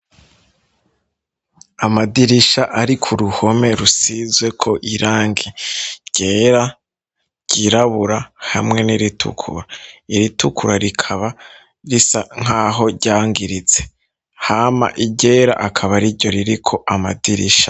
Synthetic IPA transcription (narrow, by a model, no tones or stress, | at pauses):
amadiɾiʃaʔaɾikʰuɾuho̞me̞ɾusizwe̞kʰo̞ʔiɾaːŋɡiɟ̥e̞ːɾa | ɟ̥iɾaβuɾahamŋe̞niɾitʰṵkʰṵɾaiɾitʰukʰuɾaɾikʰaβa | ɾisaŋ̥aːɦo̞ɟaːŋɡiɾit͡se̞ | haːma̰ʔiɟe̞ːɾa̰ʔakʰaβaɾiɾɟo̞ɾiɾikʰo̞ʔama̰diɾḭʃḁ